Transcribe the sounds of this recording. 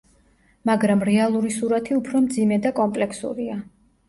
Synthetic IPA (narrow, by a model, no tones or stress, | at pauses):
maɡɾamɾɛalˠuɾisuɾat̪ʰiupʰɾɔmd̪zimɛd̪akʼɔmpʼlɛkʰsṵɾia